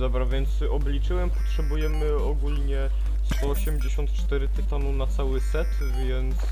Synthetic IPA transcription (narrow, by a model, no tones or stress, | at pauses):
d̪ɔbɾavʲjɛnt̪sɔblʲit͡ʂɘwɛmpɔ̥tʂɛbujɛmɘ | ɔɡulɲɛ | st̪ɔɔɕɛmd͡ʑeɕɔnt̪t͡ʂt̪ɛɾɘt̪ɘt̪anunat̪sawɘsɛt̪ | vʲjɛnt̪s